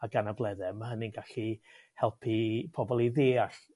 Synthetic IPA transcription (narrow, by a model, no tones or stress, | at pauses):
aɡanablˠɛðɛmahɦənɪnɡaɬi | hɛlˠpʰipʰɔbɔlˠiðeːaɬ